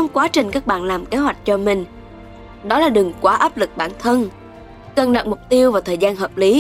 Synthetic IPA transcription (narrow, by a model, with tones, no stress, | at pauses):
xə˧wŋ͡mkwaː˨˦t͡ɕï˨˩ŋ̟kaː˦˥k̚ɓa̰ː˧˨nlaː˨˩mke˨˦hɦwa˨˩jk̟̚t͡ɕɔ˧mï˨˩ŋ̟ | ɗɔ˨˦laː˨˩ɗɨ˨˩əŋkwaː˧˩ʔaː˦˥p̚lɨ˨˩k̚ɓa̰ː˧˩nt̪ʰə˧n | kə˨˩nɗə̰˨˩k̚mʊ˨˩k͡p̚t̪i˧əwvaː˨˩wt̪ʰəː˨˩jzaː˧nɦəː˨˩p̚li˨˦